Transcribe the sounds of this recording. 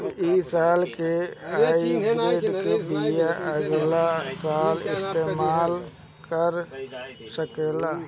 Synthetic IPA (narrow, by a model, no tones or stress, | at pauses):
isaːlkeaːieʈkebijaʔəɡlasaːlɪ̰st̪eːmaːl | kəɾ | səkeːla